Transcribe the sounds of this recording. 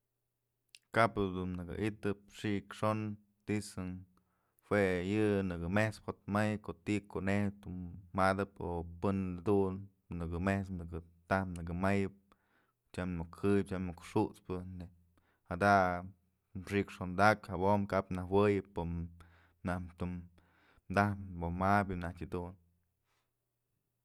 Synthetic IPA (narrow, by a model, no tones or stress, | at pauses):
kapd̪unnɨɡɨ̰ʔit̪ɨp̚ʂikʂon | t̪isɨn | hwejɨnɨkɨmeht͡sphot̪̚majkot̪ikonehd̪uːad̪ɨpopɨnd̪un | nɨɡɨmehsnɨkɨt̪apnɨkɨmajɨp̚ | t͡ʃamokʰːɨjɨp̚t͡ʃamokʂuʔt͡spɨne | had̪a | ʂikʂond̪akhabomkapnahwɨjɨpo | nahmt̪umː | d̪ahbomabɨnahkʲɨd̪un